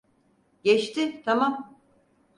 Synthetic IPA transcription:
ɟɛt͡ʃt̪ɪt̪ʰamam

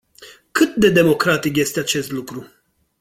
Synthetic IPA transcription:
kɨt̪̚d̪e̞d̪e̞mo̞kɾat̪ikje̞st̪eat͡ʃe̞st̪lukɾu

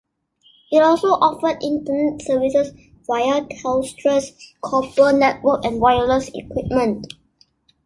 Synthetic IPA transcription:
itɔlsoʔɔfədĩntənɛt̚səvisəs | vajəthɛʊstʰɹɛskʰɔp̚tənɛt̚wəkɛ̃nwajələsḭkʰwip̚mə̃nt

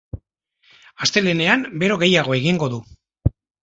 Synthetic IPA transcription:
ast̪e̞le̞ne̞ambe̞ɾo̞ɣe̞jaɣo̞e̞ɣiŋɡo̞ðu

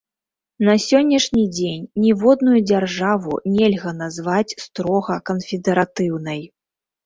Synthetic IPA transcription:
nɐsʲɔnʲːɐʂnʲid͡zʲenʲːɛvɔd̪nujud͡zʲarʐavṵnʲɛlʲɣɐnazvat͡sʲst̪ɾɔɣɐkɐnfʲɛd̪ɛɾat̪ɨwnɐj

